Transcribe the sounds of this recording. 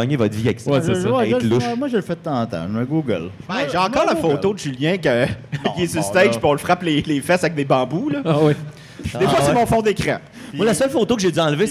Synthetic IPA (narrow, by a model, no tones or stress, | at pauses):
ɲevɔt̪viɛkswɛwɛlʊʃɛmwaʒələfɛt̪ãt̪ã̰mɛɡuɡə̰l | bɛ̃ʒeɑ̃kkɑːʁlafot̪od̪əʒyljɛ̃kəkiɛsyst̪ɛʒpiɔ̃ləfʁaplelefɛsavɛk̚d̪ebɑ̃bulʌwi | efwasemɔ̃fɔ̃d̪ekʁɛ̰̃ | dmwalasœlfot̪okəʒed̪yɑ̃lve